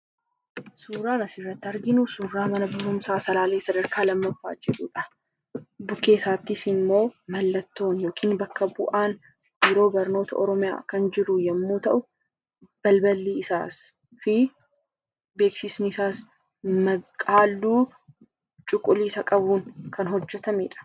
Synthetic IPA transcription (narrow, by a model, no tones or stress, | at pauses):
suːɾaːnɐsɪrːɐt̪ːɪɐɾɡɪnʊsuːrːaːmɐnɐbɪhʊmsaːsɐlaːle̞ːsɐd̪ɐɾkʰaːlɐmːɐfːa̰ːd͡ʒɛᶑʊᶑɐ | bʊke̞ːsaːt̪ːɪsɪmːo̞ːmɐlːɐt̪ːo̞ːnjo̞ːkʰiːnbɐkːɐbʊʔaːn | bɪɾo̞ːbɐɾno̞ːt̪ʰɐʔɔɾɔmɪja̰ːkɐnd͡ʒɪɾʊjɐmːuːt̪ɐʔʊ | b̥ɐlbɐlːiːɪsa̰ːs | fɪ | be̞ːksɪsnɪɪsaːs | mɐkʼaːlːuː | t͡ʃʼʊkʼːʊliːsɐkʼɐbuːŋkʰɐnɦɔd͡ʒːɛt̪ɐmeːᶑɐ̥